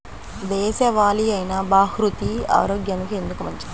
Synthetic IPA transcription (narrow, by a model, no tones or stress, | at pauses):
d̪ɛːsɐʋaːliɐjnɐbaːɦɾut̪ia̰ːɾoːɡjɐnikie̞nd̪ukumɐɲt͡ʃi